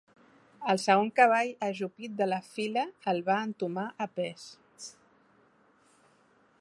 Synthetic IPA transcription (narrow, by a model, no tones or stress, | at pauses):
əlˠsəɣ̞oŋkəβ̞aʎəʒupit̪̚d̪ələfiləːlˠβaənt̪umaʔəpɛs